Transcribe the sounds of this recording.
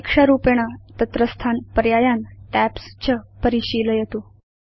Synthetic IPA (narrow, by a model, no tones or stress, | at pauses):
kʂaɾupeɽ̃ət̪ət̪ɾəst̪ʰanpəɾjajanʈæpst͡ɕəpəɾiɕiləjet̪o